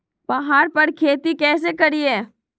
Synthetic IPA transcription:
b̥ɐɦaːɾpɐɾkʰeːt̪ikɛːs̬ekɐɾieː

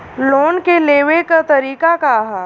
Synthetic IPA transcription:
loːnkeleːʋekat̪ɐɾiːkakaɦa

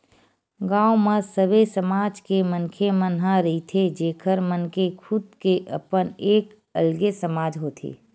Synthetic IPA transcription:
ɡãːomẽsəbesəmaːd͡ʒkemənkʰemənɦãɾit̪ʰed͡ʒeːkʰəɾmənkekʰʊd̪̚keʔə̰pəneːk | ə̰lɡesəmaːd͡ʒɦoːt̪ʰḛː

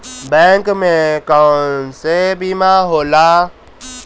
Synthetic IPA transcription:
bɛ̃ːŋkmẽkansebimãːɦoːlaː

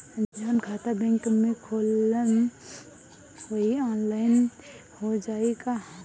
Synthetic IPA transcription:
d͡ʒənkʰaːt̪abɛ̃ŋkmẽkʰoːlən | əɦiaːnlaɪn | hod͡ʒaːeka

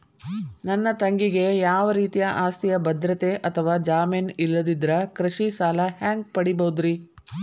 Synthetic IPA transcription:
nɐnːɐt̪ɐŋɡiɡe̞jaːʋɐɾiːt̪ijɐʔaːst̪ijɐbɐd̪ɾɐt̪eʔɐt̪ʰɐʋaːd͡ʒaːmenilːɐd̪id̪ɾɐkɾɐʃisaːlɐɦaːŋɡ̚pɐɽibɐud̪ɾi

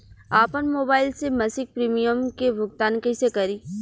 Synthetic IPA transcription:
aːpənmoːbaːɪlsemɐsɪk̚pɾiːmijəmkebʱʊɡt̪aːnkɐsekɐɾiː

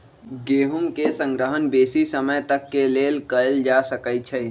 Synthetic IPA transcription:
ɡeːɦʊmkesə̃ŋɡɾəɦənbeːsisəməjt̪əkːeleːlkəld͡ʒaːsəkəjt͡ʃʰɛ

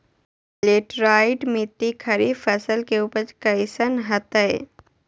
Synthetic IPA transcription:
leːʈɾaːɪʈmɪt̪ːikʰɐɾifɐsəlkeuːpəɾt͡ʃkɐɪsənɦɐt̪əj

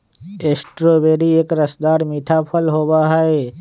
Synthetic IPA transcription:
eːsʈɾoːbeːɾieːkɾəsd̪aːɾmiːʈʰaːpʰəlɦoːbaːɦəe

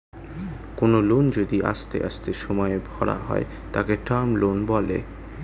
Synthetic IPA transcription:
konolond͡ʑod̪iʔa̰ʃt̪ḛʔaʃt̪eʃɔmɔeebʱɔɽa̰ɦɔ̰e | t̪akeʈaɾmlonbɔlḛ

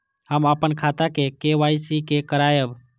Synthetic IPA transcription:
həməpənkʰat̪akekeʋajsikekəɾajəb

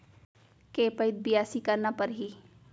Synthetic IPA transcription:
keːpəɪd̪̚bɪjaːsikɐɾnapɐɾɦi

